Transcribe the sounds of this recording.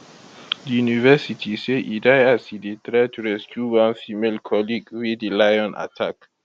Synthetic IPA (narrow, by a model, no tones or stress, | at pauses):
dijunivɛsitʰiseʔidajasidit̪ɾɛtʰuɾɛskuɡãnfimelkʰɔliɡwidilajɔ̃nʔa̰tʰak